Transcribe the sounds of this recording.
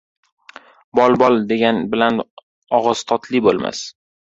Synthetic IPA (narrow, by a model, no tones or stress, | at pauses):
bɒlˠbɒlˠd̪e̞ɡʲanbɪlan | ɒʁɒst̪ʰɒt̪ʰlibolˠma̰s